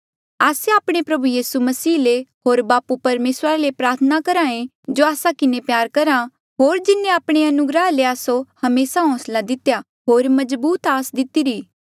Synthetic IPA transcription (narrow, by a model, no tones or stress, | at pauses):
aːseaːpɽ̃epɾɐbujiːsumɐsiːleɦoːɾbaːpupɐɾmeːsɾalepɾaːɾt̪ʰənakɐɾaːẽ | d͡ʒoːaːsakɪnepjaːɾkɐɾa | ɦoːɾd͡ʒɪnːẽaːpɽ̃eɐnʊɡɾaɦleaːsohɐmeːsaɦɔ̃ːslad̪ɪt̪ja | ɦoːɾmɐd͡ʒbuːt̪aːsd̪ɪt̪iɾiː